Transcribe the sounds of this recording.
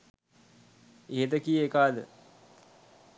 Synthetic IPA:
eːd̪əkijekaːd̪ə̰

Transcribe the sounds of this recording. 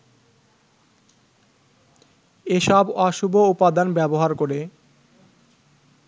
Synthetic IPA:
eʃɔbɔʃubʱoupad̪anbɛboɦaɾkoɾe

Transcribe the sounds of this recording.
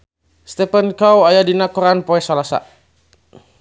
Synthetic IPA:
st̪ɛpɛnkawajadinakɔɾanpɔɛsalasa̰

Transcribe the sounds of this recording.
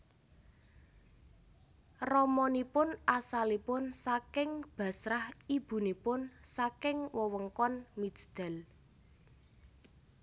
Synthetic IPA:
rɔmɔnipʊnasalipʊnsakɪŋb̥ä̤sɾahib̥ṳnipʊnsakɪŋwəwəŋkɔnmi̥d͡ʒd̪̥ɛ̤l

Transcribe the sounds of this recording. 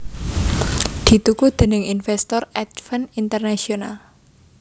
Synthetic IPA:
d̪̥i̤t̪ukud̪̥e̤nɪŋinfɛst̪ɔrɛt̪fənint̪ərnasional

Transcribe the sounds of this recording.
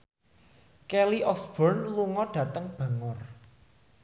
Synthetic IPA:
kɛliʔɔsb̥ɔrnluŋɔɖ̥ä̤t̪əŋb̥a̤ŋʊr

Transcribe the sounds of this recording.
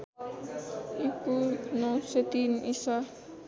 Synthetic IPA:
ikunoset̪inisa

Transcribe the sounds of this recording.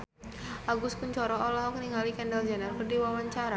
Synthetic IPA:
ʔaɡʊskuɲt͡ʃɔɾɔɔlɔɦɔkəniŋɡalikɛndald͡ʒanarkərdiwawaɲt͡ʃaɾa

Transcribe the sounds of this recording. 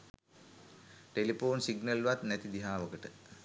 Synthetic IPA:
ʈelipoːnsiɡnəlʋat̪næt̪id̪iɦaːʋəkəʈə

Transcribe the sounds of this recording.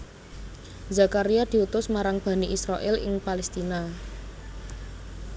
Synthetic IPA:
zakaɾijad̪̥i̤ut̪ʊsmaɾaŋb̥a̤niʔisɾaʔɪlɪ̰ŋpalɛst̪ina

